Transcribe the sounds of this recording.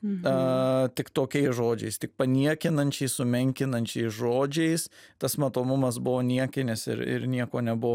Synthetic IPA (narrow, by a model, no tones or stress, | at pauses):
ɐt̪ʲɪkt̪oːkʲɛɪsʒoːd͡ʒʲɛ̰ɪst̪ʲɪk̚pɐnʲiɛkʲɪnɐnʲt͡ʃʲɛɪssʊmʲɛŋʲkʲɪnɐnʲt͡ʃʲɛɪsʒoːd͡ʒʲɛɪs | t̪ɐsmɐt̪oːmʊmɐsbʊʋoːnʲiɛkʲɪnʲɪsɪ̰ɾɪ̰ɾnʲiɛkoːnʲɛbʊʋː